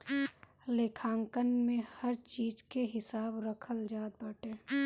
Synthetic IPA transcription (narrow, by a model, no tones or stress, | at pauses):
leːkʰãːŋkənmẽhəɾt͡ʃiːd͡ʒkeɦɪsaːbɾəkʰəld͡ʒaːd̪̚bəʈeː